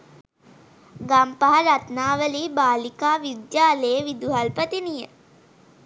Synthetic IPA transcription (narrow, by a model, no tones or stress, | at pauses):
ɡampaɦaɾat̪naːʋəliːbaːlikaːʋud̪jaːleːʋid̪uɦalpət̪inijə